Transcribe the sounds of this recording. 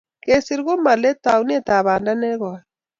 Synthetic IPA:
ke˨si˦ɾɣo˦ma˨lɛ˦ta˨u˦n˦e˦ta˨βa˨nda˦nɛ˦ɣwa˨

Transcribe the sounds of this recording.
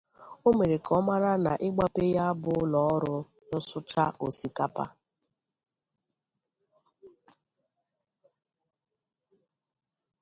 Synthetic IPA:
o˦me˨ɾe˨kʰɔ˦ma˦ɾa˦na̰˨ʔɪ˦ɡ͡ba˦pe˦ja˦a˦bʊ˦lɔ˨ɔ˦ɾʊ˦ | nʊ˦sʊ˦t͡ʃa˦ʔo˨si˨ka˦pa̰˦

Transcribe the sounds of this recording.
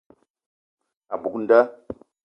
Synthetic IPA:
a˨bu˨kn̩˦da˦

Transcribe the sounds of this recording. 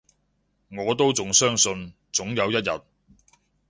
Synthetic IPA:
ŋɔː˨˧t̪o˥wt͡sʊ˨ŋsœː˥ŋsɵ˧n | t͡sʊ˨˥ŋjɐ˨˧wjɐ˥t̚jɐ˨˩t̚

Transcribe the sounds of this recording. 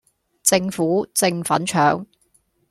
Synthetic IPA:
t͡sɪ˧ŋfuː˨˥t͡sɪ˧ŋfɐ̰˨˥nt͡ʃʰœː˨˥ŋ

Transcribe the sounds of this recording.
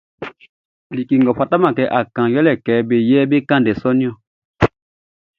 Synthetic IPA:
li˨ki˨ŋɡɔ˨ɸa˨ta˦ma˨kɛ˨˦ʔa˨kã˨jɔ˦lɛ˨kɛː˨˦be˨jɛ˦be˦kã˦˨ndɛ˨sɔ˦ni˦ɔ̃˦˨

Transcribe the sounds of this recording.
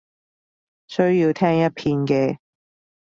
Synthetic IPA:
sɵ˥ɥjiː˧wt̪ʰɛː˥ŋjɐ˥t̚pʰiː˧nkɛː˧

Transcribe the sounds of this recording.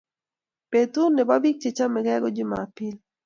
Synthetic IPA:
pet̪u˦nːɛ˨ba˦bi˦k̚t͡ʃe˨t͡ʃa˦mɛ˨ɡɛ˦ɡɔ˦d͡ʒɪ˦ma̰ːpɪ˦l

